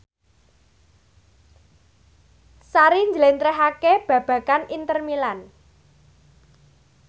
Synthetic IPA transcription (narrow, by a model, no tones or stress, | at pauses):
saɾiɲd͡ʒəlent̪ɾɛɦakeb̥ä̤b̥ä̤kanint̪ərmilan